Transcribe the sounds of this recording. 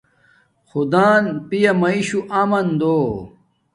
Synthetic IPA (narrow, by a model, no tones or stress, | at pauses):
xud̪aːnpijɐmɐiɕuʔaːmɐnd̪oː